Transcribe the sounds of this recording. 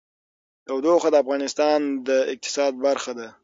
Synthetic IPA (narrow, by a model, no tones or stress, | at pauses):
t̪awd̪oxad̪əafɣɑnɪst̪ɑnd̪əɪq̚t̪ɪ̥sɑd̪̚baɾxad̪a